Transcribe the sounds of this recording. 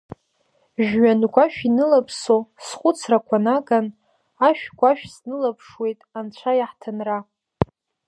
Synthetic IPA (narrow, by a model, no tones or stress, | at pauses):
ʒᶣɥanɡʷaʃᶣinɨlapʰsosχʷʼʊt͡sʰrakʷʰanaɡan | aʃᶣɡʷaʃᶣsnɨlapʰʂwe̞jtʼant͡ɕʷʰajaħtʰanra